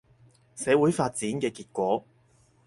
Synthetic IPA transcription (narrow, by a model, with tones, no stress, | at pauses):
sɛː˨˧wuː˨˥jfaː˧t̚t͡siː˨˥nkɛː˧kiː˧t̚kʷɔː˨˥